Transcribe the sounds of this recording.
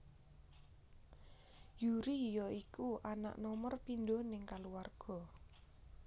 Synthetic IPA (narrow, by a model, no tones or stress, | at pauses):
juɾijɔikuʔana̰ʔnɔmərpindonɪŋkaluwarɡ̥ɔ̤